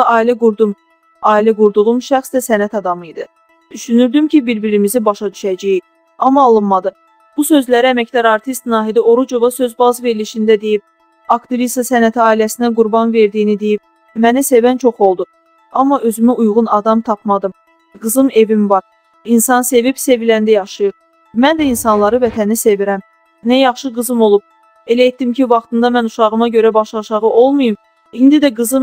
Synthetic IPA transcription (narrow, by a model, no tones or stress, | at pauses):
ʔɑːilæɡuɾd̪um | ɑːilæɡuɾd̪uʁumʃæxsd̪æsænæt̪ʰɑd̪ɑmɯjid̪ɯ | d̪yʃynyɾd̪ymcʰibiɾbiɾimizibɑʃɑd̪yʃæd͡ʒæji | ɑmːɑːlˠɯnmɑd̪ɯ | b̥usø̞zlæɾiæmæcd̪ɑɾɑɾt̪ʰist̪nɑːɦid̪io̞ɾud͡ʒo̞vɑsø̞zbɑzve̞ɾliʃind̪æd̪e̞jib̚ | ɑkt̪iɾist̪ɑsænæt̪ʰiɑːilæsinæɡuɾbɑnve̞ɾd̪ijːnid̪e̞jib̚ | mænæse̞vænt͡ʃʰo̞χo̞lˠd̪u | ɑmːɑʔø̞zymyujʁunɑd̪ɑmt̪ʰɑp̚mɑd̪ɯm | ɡɯzɯme̞vimvɑɾ | insɑnse̞vibse̞vilænd̪æjɑʃɯjɯɾ | mænd̪æinsɑnlˠɑɾɯvæt̪ʰænise̞viɾæm | næjɑχʃɯɡɯzɯmo̞lˠub̥̚ | e̞læjet̪dːimcivɑχt̪ɯnd̪ɑmænuʃɑʁɯmɑɟø̞ɾæbɑʃɑʃɑʁɯʔo̞lˠmujɯm | ind̪id̪æɡɯzɯm